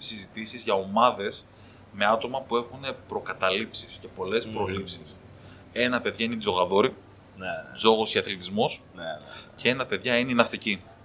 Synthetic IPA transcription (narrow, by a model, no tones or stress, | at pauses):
sizit̪isizʝɐo̞mɐðe̞s | me̞ɐt̪o̞mɐpue̞xune̞pɾo̞kɐt̪ɐlipsisce̞po̞le̞spɾo̞lipsis | e̞nɐpe̞ðʝɐinezo̞ɣɐðo̞ɾi | zo̞ɣo̞sceɐθlit̪izmo̞s | ce̞enɐpe̞ðʝɐinenɐft̪ici